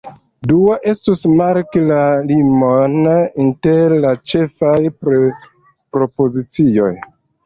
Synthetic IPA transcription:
duoʔe̞stusmaɾkilalimoninteɾlat͡ʃe̞faj | pɾo̞pozit͡sio̞j

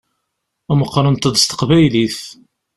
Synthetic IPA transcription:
æməqːɾˤənt̪ːəd̪st̪ə̥qvæjliθ

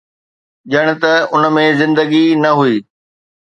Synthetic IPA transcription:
ʄəɽ̃ʊ̆t̪ɐʊn̆mẽzɪ̃nd̪əɡinɐɦuiː

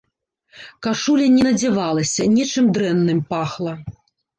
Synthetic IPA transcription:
kaʂulʲɛnʲɛnɐd͡zʲɛvalˠɐsʲɐnʲɛt͡ʂɨmd̪ɾɛnːɨmpaxlˠɐ

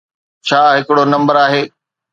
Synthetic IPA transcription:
t͡ɕʰaːɦɪkɪɽonɐ̃mbəɾaːɦeː

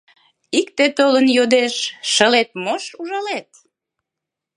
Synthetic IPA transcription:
ikt̪et̪olənjod̪eʃːəlet̪̚moʃuʒɑlet̪

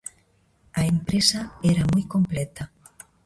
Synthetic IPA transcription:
aempɾesaeɾamujkomplet̪a

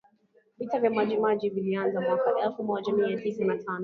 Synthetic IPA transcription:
vitavjamaʄimaʄivilianzamwakaʔɛlfumɔʄamiatisanatʰanɔ

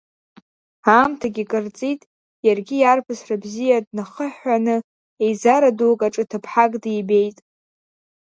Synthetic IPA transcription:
amtʰaɡʲikʼɨrt͡sʼitʼ | jarɡʲijarpʰɨsrabzijadnaχəħanɨ | ejzaɾadowkʼaʈ͡ʂʼɨtʰapʰħakʼdijbe̞jtʼ

